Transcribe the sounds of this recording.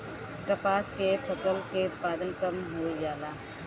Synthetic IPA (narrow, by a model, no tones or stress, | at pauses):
kɐpaːskepʰəsəlkeʊt̪̚paːd̪ənkɐmɦoːjaːlaː